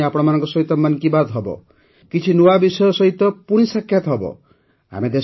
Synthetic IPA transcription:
apɔɽ̃ɔmanɔ̃ŋkɔsɔɦit̪ɔmankibad̪ɦɔbɔ̰ | kit͡ʃʰinuabisɔjɔsɔɦit̪ɔpuɽ̃isakʰjat̪ɔɦɔbɔ̰ | a̰med̪e

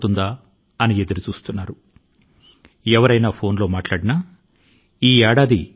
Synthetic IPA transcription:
t̪und̪aː | ɐnie̞d̪uɾut͡ʃuːst̪unːaːɾu | ɛʋɐɾɐjnaːpʰo̞ːnlo̞ːmaːʈlaːɽinaː | iːɛːɽaːd̪i

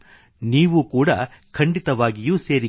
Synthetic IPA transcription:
niːʋukuːɽɐ̰ | kʰɐɳɖit̪ɐʋaːɡijuːse̞ːɾi

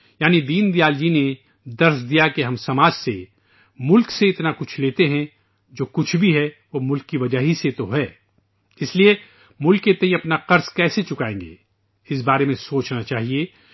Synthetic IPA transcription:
jaːnid̪iːnd̪ijaːld͡ʒine | d̪ɐɾsd̪ijakeɦɐmsɐmaːd͡ʒse | mʊlkseɪt̪nakʊt͡ʃʰleːt̪eɦɛ̃ | d͡ʒoːkʊt͡ʃʰbʱiɦɛʋoːmʊlkːiʋɐd͡ʒaɦiset̪oɦɛː | ɪslie | mʊlkːet̪ɐ̃ɦĩɐpnaqɐɾskɛːset͡ʃʊkaːḛ̃ːŋɡḛː | ɪs̬baːɾemẽsoːt͡ʃnat͡ʃaːɦie

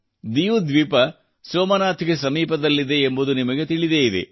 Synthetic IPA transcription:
d̪ijud̪ʋipɐ | soːmɐnaːt̪ʰiɡesɐmiːpɐd̪ɐlːid̪e̞ːmbud̪unimɐɡe̞t̪iɭid̪eid̪ḛ

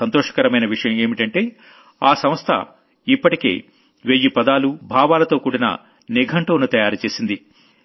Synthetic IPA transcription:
ɐnt̪oːʂɐ̥kɐɾɐmɐjnɐʋiʂɐjɐme̞ːmiʈɐɳʈe̞ː | aːsɐmst̪ʰɐ̰ | ipːɐʈike̞̰ː | ʋeːjːipɐd̪aːlubʱaːʋaːlɐt̪o̞ːkuːɽinɐ̰ | niɡʱɐɳʈoːnut̪ɐjaːɾt͡ʃe̞ːsind̪i

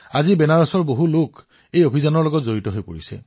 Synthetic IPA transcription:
azibɛnaɹɔsɔɹboɦulok | ejobʱizanɔɹlɔɡɔtzoɹitɔɦojpoɹisɛ̰

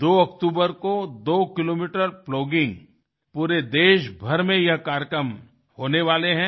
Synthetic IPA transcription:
d̪oːɐkt̪uːbəɾkod̪oːkɪloːmiːʈəɾploːɡɪ̃ŋɡ | puːɾed̪eːʃbʱɐɾmẽjɐɦkaːɾjəkɾəm | hoːneʋaːleɦɛ̃

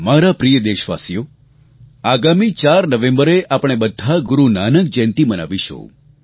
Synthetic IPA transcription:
maɾapɾijəd̪eʃʋa̰sijo | aɡamit͡ʃaɾnəʋẽmbəɾeʔapɽ̃ebəd̪ʱːaɡuɾunanək̚d͡ʒɛ̃nt̪iməna̰ʋiʃo̰

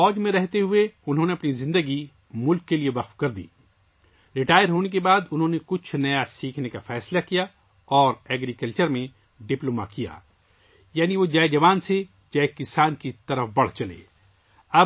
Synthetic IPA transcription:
fɔːd͡ʒmẽɾɛɦt̪eɦʊeʊnɦõːneɐpnizɪ̃nd̪əɡi | mʊlkːeliebɐxfkɐɾd̪ḭː | ɾɪʈaːɪjəɾɦoːnek̬ebaːd̪ʊnɦõːnekʊt͡ʃʰnɐjasiːkʰnekafɛːslakija | ɔːɾɛːɡɾikɐlt͡ʃəɾmẽ | ɖɪploːma̰kija̰ː | jaːniʋod͡ʒaːed͡ʒɐʋaːnse | d͡ʒaːekɪsaːnkit̪ɐɾəfbɐɽ̤t͡ʃɐlḛː | ɐb

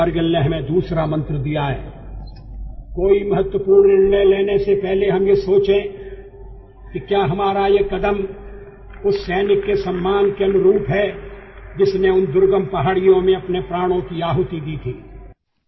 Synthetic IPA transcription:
ɐɾɡəlneɦɐmẽd̪uːsɾamɐ̃nt̪ɾəd̪ijaɦɛ̰ː | koːimɐɦət̪wəpuːɾnɪɽneleːnesepɛɦleɦɐmjesoːt͡ʃẽ | kikjaːɦɐmaːɾajekɐd̪əm | ʊsːɛːnɪkːesɐmːaːnkeɐnʊɾuːpɦɛːd͡ʒɪsnẽʊnd̪ʊɾɡəmpɐɦaːɽijõmẽɐpnepɾaːɽ̃õkiaːɦʊt̪id̪iːt̪ʰiː

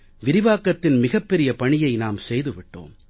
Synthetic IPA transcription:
ʋɪɾɪʋaːkɐt̪ːɪnmɪɣɐpːɛɾɪjɐpɐɳɪjɐɪnaːmsɛjðɯʋɪʈːo̰ːm

